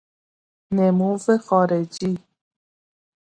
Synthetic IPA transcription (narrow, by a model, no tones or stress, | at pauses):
nemuːvexɔːɾed͡ʒi